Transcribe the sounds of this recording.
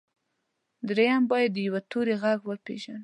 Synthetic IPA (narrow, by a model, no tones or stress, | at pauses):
d̪ɾejambɑjad̪ːəjawat̪oɾeɣaɡwəpḛʒan